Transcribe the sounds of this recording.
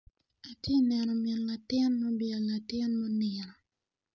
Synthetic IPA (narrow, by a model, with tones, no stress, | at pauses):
a˨tjɛ˦nɛnɔ˨miɛ˨nlatɪ˦nmɔ˦bjɛ˨lla˨tɪ˦nmɔ˦nɪnɔ˨